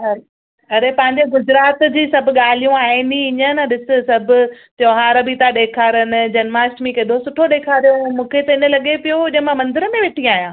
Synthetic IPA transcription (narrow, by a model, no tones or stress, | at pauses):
ɐ | ɐɾepɐ̃ɦɪ̃ɲd͡ʑeɡʊd͡ʑɾaːt̪d͡ʑiːsɐbʱʊ̆ɠaːl̤ijũaːɦĩnd̪ĩɪɲənəɗɪsɪ̆sɐbʱʊ̆t̪joːɦaːɾəbit̪aɗeːkʰaːɾənɪ̆d͡ʑɐnmaːsʈmĩkẽːd̪osʊʈʰoɗeːkʰaːɾijomũːkʰet̪ɐɪnə̆lɐɠepijoʊʄmãmɐ̃nd̪ɪɾəmẽʋeʈʰĩaːɦijãː